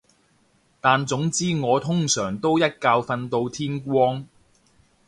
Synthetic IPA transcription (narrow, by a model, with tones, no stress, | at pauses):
t̪aː˨nt͡sʊ˨˥ŋt͡siː˥ŋɔː˨˧t̪ʰʊ˥ŋsœː˨˩ŋt̪o˥wjɐ˥t̚kaː˧wfɐ˧nt̪o˧wt̪ʰiː˥nkʷɔː˥ŋ